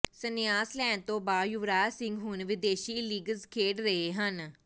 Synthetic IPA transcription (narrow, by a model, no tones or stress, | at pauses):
sənɪjaːslɛ̃ːnt̪õːbaːjʊʋɾaːsɪ̃ŋɡɦʊnʋɪd̪eːʃiːliːɡəlzkʰeːɖɾəɦeːɦən